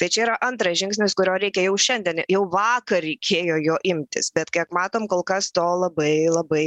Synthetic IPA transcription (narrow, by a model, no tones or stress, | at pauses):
t̪ɐɪt͡ʃʲɛiːɾɐʔɐnt̪ɾɐʒʲɪŋksʲnʲɪskʊɾʲoːɾʲɛɪkʲɛjɛʊʃʲɛnd̪ʲiɛnjɛʊʋɑːkɐrɾʲɛɪkʲʰeːjoːjoːʔɪmʲt̪ʲɪ̰sbʲɛt̪kʲiɛkmɑːt̪oːmkoːlˠkɐst̪oːlˠɐbɐɪlˠɐbɐɪ